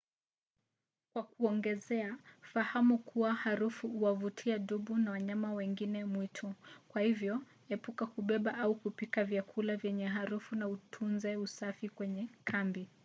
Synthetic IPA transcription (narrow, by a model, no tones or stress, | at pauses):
kwakuɔŋɡɛzɛafahamukuwahaɾufuuwavutʰiaɗuɓunawaɲamawɛŋɡinɛmwitʰɔkwahivjɔ | ɛpukakuɓɛɓaʔaukupikavjakʰulavjɛɲɛɦaɾufunautʰunzɛusafikwɛɲɛkʰambi